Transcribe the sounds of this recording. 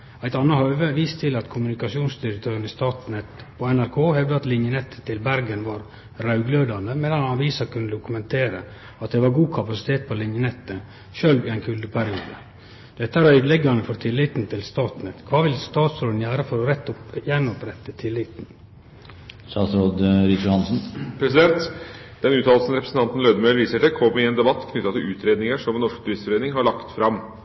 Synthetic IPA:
æɪt̪ɑnːɑhœːʋəʋiːst̪ʰɪlɑt̪kʰʊmʉnɪkɑsɪuːnsd̪ɪɾɛk̚t̪ʰøːɾənɪst̪ɑːt̪nɛt̪ | pʰɔɛnæɾkʰoːhɛʋd̪əɑt̪lɪnjənɛt̪ʰːə̥t̪ʰːɪlbæɾɡənʋɑːɾ | ɾɑʉɡløːd̪ɑnd̪əmeːd̪ɑnhɑnʋiːsɑkʰʉnːəd̪ʊkʉmɛnt̪ʰeːɾə̰ | ɑt̪̚d̪ɛʋɑɾɡuːkʰɑpɑsɪ̥t̪ʰeːt̪̚pʰɔlɪnjənɛt̪ːə | ʃøːlʋɪæɪnkʰʉld̪əpʰæɾɪṵːd̪ə̰ | d̪̥ɛt̪ːəæɾœʏd̪lɛɡɑɳəfɔɾt̪ʰɪlːɪːt̪n̩t̪ʰɪlst̪ɑːt̪nət̪kʰʋɑːʋɪlst̪ɑːt̪sɾoːd̪n̩jæːɾəfɔɾɔɾɛt̪ːjɛnːɔpɾɛt̪ːət̪ʰɪlːɪt̪n | sɑːsɾoːd̪ɾisjʊhɑnsn̩pʰɾɛsɪd̪ɛnt̪ | d̪̥ɛnʉːt̪ʰɑːlsn̩ɾɛpɾəsn̩t̪ɑnt̪n̩ɾøːd̪əmœʏɾʋiːsəʈɪkʰɔmːɪeːnd̪ɛbɑt̪ːkʰnʏt̪ːɑt̪ɪlʉːt̪ɾeːd̪nɪŋəʂɔmɛnɔʂkt̪ʰʉɾɪst̪fɔɾeːnɪŋɦɑɭɑkt̪fɾɑm

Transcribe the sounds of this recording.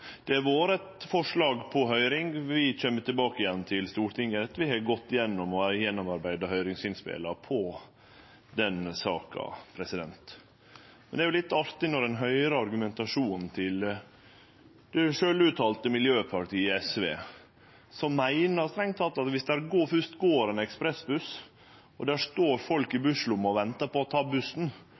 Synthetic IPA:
d̪̥ɛæɾʋoːɾɛt̪fɔʂɭɑːɡpʰɔɦœʏɾɪŋʋɪt͡ɕøːmːət̪ʰɪlbɑːkəɪjɛnːt̪ʰɪlst̪uːɾʈ̪ɪŋːəɾɛt̪ːʋɪhɛɡɔt̪ːɪjɛnːɔmɔʋæɾəjɛnːɔmɑɾbæɪd̪ɑɦœʏɾɪŋsɪnspḛlɑpʰɔ | d̪ɛnsɑ̰ːkʰɑ̰pʰɾɛsɪd̪ɛnt̪ | mɛnd̪ɛæɾjʊlɪt̪ːɑɾt̪ɪnɔɾɛnɦœʏɾəɑɾɡʉmɛnt̪ɑʂuːnt̪ʰɪl | d̪̥ɛʂøːlʉt̪ʰɑːlt̪əmɪljøːpʰɑʈʰiːɛsʋḛː | sɔmːæɪnəst̪ɾɛŋt̪ʰɑlt̪ɑt̪ʋɪsd̪æɾɡoːfʉʂt̪ɡoːɾɛnɛkspɾɛsbʉs | ɔd̪æːʂt̪oːɾfɔlkɪbʉʂlʊmːɔʋɛnt̪ɑpɔɔt̪ʰɑːbʉsn̩

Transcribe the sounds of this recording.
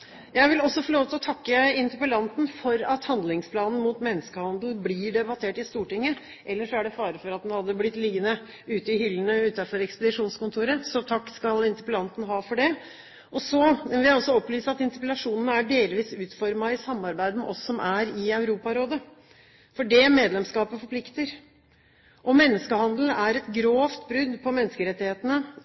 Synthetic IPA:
jæɪʋɪlɔsːɔfɔːloːʋt̪ɪlɔt̪ʰɑkːəɪnt̪əpəlɑnt̪n̩fɔɾɑt̪hɑnd̪lɪŋspʰlɑːnn̩muːt̪mɛnːəskəhɑnd̪l̩bliːɖɛbɑt̪ʰeːʈɪst̪uːʈɪŋːə | ʔɛlːəʂɔæɖɛfɑːɾəfɔɾɑt̪̚d̪ɛnhɑd̪ːəblɪt̪ːlɪɡːənə | ʉːt̪əɪhʏlːənəʉːt̪ɑfɔɾɛkspəd̪ɪʂuːnskʊnt̪ʰuːɾəsɔt̪ʰɑkːskɑlɪnt̪ə̥pəlɑnt̪n̩ɦɑːfɔɖɛ | ʔɔsɔʋɪljæɪɔsːɔɔplyːsəɑt̪ɪnt̪ɪpəlɑʂuːnənəæɖeːlʋiːsʉːt̪fɔɾmɑɪsɑmːɑɾbæɪd̪əmɛʔɔsːɔmʔæɾɪœʉɾuːpɑɾoːd̪ə | fɔɖɛmeːd̪lɛmskɑːpəfɔpʰlɪkt̪əɾ | ʔɔmɛnːəskəhɑnd̪ln̩æɾɛt̪ɡɾoːft̪bɾʉd̪ːpʰɔmɛnːəskəɾɛt̪ːɪheːt̪ənə

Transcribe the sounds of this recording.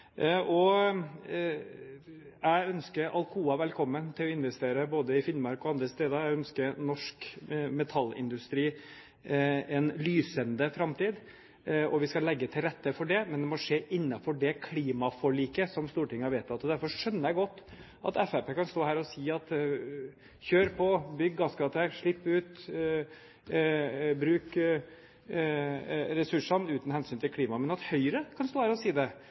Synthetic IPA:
ʔɔ | æœnskəɾɑ̰lkʰuːɑʋɛlkʰɔmːənt̪ʰɪlɔɪnʋɛst̪eːɾəboːd̪əɪfɪnmɑɾkɔɑnd̪ɾəst̪eːd̪əɾæœnskəɾnɔʂkmɛt̪ʰɑlːɪ̰nd̪ʉst̪ɾiː | ɛnlyːsənd̪əfɾɑmt̪iːd̪ | ʔɔʋɪskɑlɛɡːət̪ʰɪlɾɛt̪ːəfɔɖɛmɛnd̪ɛmɔʂeːʔɪnːɑfɔɖɛkʰliːmɑfɔɭiːkəsɔmst̪uːʈɪŋːɑɾʋeɪt̪ːɑt̪ːɔd̪æɾfɔʂʂœnːəjæɡɔt̪ː | ʔɑ̰t̪ɛfæpeːkʰɑnst̪oːhæːɾɔsiːɑt̪ | çøːɾpʰɔbʏɡːɑsɡɑːt̪əɾʂɭɪpːʉːt̪ | bɾʉːk | ɾɛsʉʂɑnʉːt̪n̩hɛnsyːnt̪ʰɪlkʰliːmɑmɛnɑt̪hœʏɾəkʰɑnst̪oːhæːɾɔsiːd̪ɛ

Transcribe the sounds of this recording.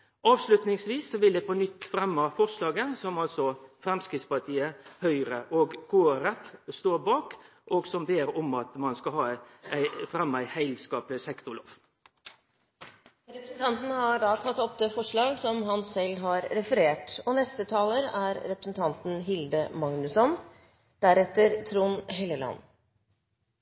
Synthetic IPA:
ʔɑːʋslʉt̪nɪŋsʋiːsːɔʋɪld̪ɛːpʰɔnʏt̪ːfɾɛmːɑfɔʁʂlɑːɡəsɔmɑlsɔfɾɛmskɾɪtspɑʈʰiːəhœʏɾəʔoːɡkʰoːɾɛt̪ːst̪oːɾbɑːk | ʔɔɡsɔmbeːɾɔmɑt̪mɑnskɑɦɑːæɪfɾɛmːəæɪhæɪlskɑːplɪsɛkt̪ʊlo̰ːf | ɾɛpɾəsn̩t̪ʰɑnt̪n̩hɑɖɑːt̪ʰɑt̪ːɔpd̪eːfɔʂɭɑːɡsɔmɦɑnsɛlɦɑɾːɛfəɾeːʈɔnɛst̪ət̪ʰɑːləɾæɾɾɛpɾəsn̩t̪ʰɑnt̪n̩ɦɪld̪əmɑŋnʉsɔn | d̪̥æɾɛt̪ːəɾt̪ʰɾuːnɦɛləlɑ̰nː

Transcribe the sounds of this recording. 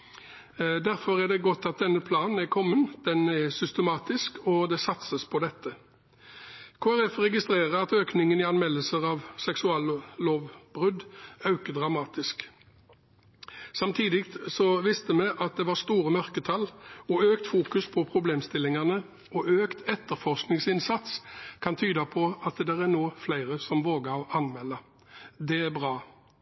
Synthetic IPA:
d̪æʁfɔɾæɖ̪ɛɡɔt̪ːɑt̪̚d̪ɛnːəpʰlɑːnn̩æɾkʰɔmːənd̪̥ɛnɛsʏst̪əmɑːt̪ɪskɔd̪ɛsɑt̪səspʰɔd̪ɛt̪ːə | kʰoːæʁɛfʁɛɡɪst̪ɾeːʁəɾɑt̪øːknɪŋənɪɑnmɛlːəsəʁɑʋsɛksʉɑːlloːʋbʁʉd̪ɑʉkəd̪ʁɑmɑːt̪ɪsk | sɑmt̪ʰiːd̪ɪkt̪sɔʋɪst̪əmɛʔɑt̪̚d̪ɛʋɑʁst̪uːɾəmœʁkət̪ʰɑlɔøːkt̪fuːkʉspʰɔpʰʁʊbleːmst̪ɪlːɪŋɑnə | ɔʔøːkt̪ʰɛt̪ːəʁfɔʁsknɪŋsɪnsɑt̪skʰɑnt̪ʰyːd̪ɑpʰɔɑt̪d̪ɛʁænoːflæɪʁəsɔmʋoːɡəɑnmɛlːə | d̪ɛæbʁɑː

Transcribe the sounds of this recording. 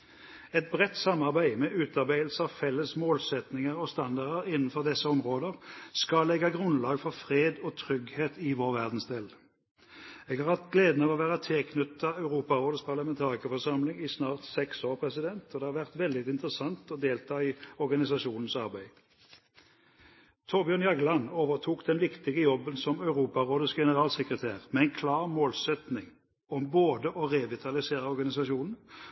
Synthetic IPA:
ɛt̪̚bʁɛt̪ːsɑmɑʁbæɪmɛːʔʉːt̪ɑʁbæɪəlsəɑʋfɛlːəsmoːlsɛt̪nɪŋəʁɔst̪ɑnd̪ɑʁd̪əʁɪnːn̩fɔʁd̪ɛsːəɔmʁoːd̪əʁskɑlɛɡɑɡʁʉnlɑːɡfɔʁfʁeːd̪ɔːt̪ʰʁʏɡheːt̪ɪʋoːʁʋæʁd̪n̩sd̪eːl | eːɡɑːʁhɑt̪ɡleːd̪nəʋɔːʋæːʁət̪ʰɛlkʰnʉt̪ʰːɑɑʉʁuːpɑʁoːd̪əspʰɑʁlɑmɛnt̪ʰɑːʁɪkəfɔʁʂɑmlɪŋɪsnɑːʁt̪sɛksoːʁpʰʁɛsɪd̪ɛnt̪ɔd̪ɛhɑʁʋæʁt̪ʋɛld̪ɪɪnt̪əʁəsɑnt̪ɔd̪eːlt̪ʰɑːiːɔʁɡɑnɪsɑʃuːnn̩sɑʁbæɪ | t̪ʰɔʁbjøːnjɑɡlɑnːoːʋəʁt̪ʰuːkd̪ɛnʋɪkt̪ɪɡəjɔbːənsɔmɑʉʁuːpɑʁoːd̪əsɡɛnəʁɑːlsɛkʁət̪ʰæːʁmɛɛɪnkʰlɑːʁmoːlsɛt̪nɪŋ | ɔmboːd̪əʔɔʁɛʋɪt̪ʰɑlɪseːʁəɔʁɡɑnɪsɑʃuːnn̩

